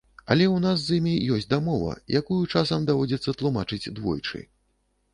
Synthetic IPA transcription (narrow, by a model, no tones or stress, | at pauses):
ɐ̰lʲɛwnas̬ːimʲijɔsʲtʲd̪amɔvɐ̰jakujut͡ʂasɐmd̪avɔd͡zʲɛt̪sːɐt̪lˠumat͡ʂɨd͡zʲd̪vɔ̰jt͡ʂɨ̰